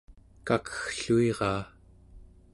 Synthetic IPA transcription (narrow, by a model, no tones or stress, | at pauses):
kakə̥xɬuiʁɑː